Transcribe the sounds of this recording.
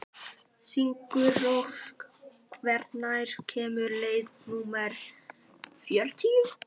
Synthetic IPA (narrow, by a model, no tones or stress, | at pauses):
siŋkʏvoskkʰvɛɾt̪najɾ̥cʰɛːmʏɾleːjðnuːmɛɾ̥ | fjœɾ̥t̪ʰi